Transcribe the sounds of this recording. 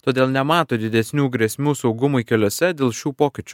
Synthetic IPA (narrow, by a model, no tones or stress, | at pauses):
t̪oːd̪ʲeːlˠnʲɛmɑːt̪oːd̪ʲɪd̪ʲɛsʲnʲuːɡɾʲiɛsʲmʲuːsɒʊɡʊmʊikʲɛlʲoːsʲɛd̪ʲeːlˠʃʲuːpoːkʲɪt͡ʃʲʊ̥